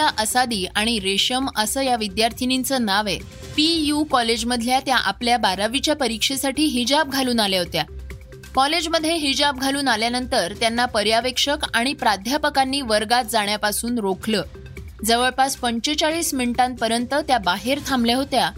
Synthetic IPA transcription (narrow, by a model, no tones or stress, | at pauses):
aʔəsad̪iːʔaɽ̃iɾeɕəməsəːjaʋid̪jaɾt̪ʰinint͡sənaʋe | pijukɔled͡ʑməd̪ʱljat̪jaʔapljabaɾaʋit͡ɕjapəɾikʂesaʈiːɦid͡ʑab̚ɡʱaluːnaljaɦot̪ja | kɔled͡ʑməd̪ʱːjeɦid͡ʑab̚ɡʱaluːnaljanənt̪əɾt̪janːapəɾjaʋekʂəkaɽ̃ipɾad̪ʱjapəkanːiːʋəɾɡat̪̚d͡zaɳ̃japasuːnɾokʰləː | d͡zəʋəɭpaspəɲt͡ɕet͡saɭiːsminʈãnt̪̚pəɾjənt̪ət̪jabaɦeɾt̪ʰambleɦot̪ja